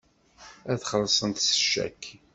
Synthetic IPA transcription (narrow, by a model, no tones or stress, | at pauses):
æθχəlːsˤənt̪sə̥ʃːæ̰kː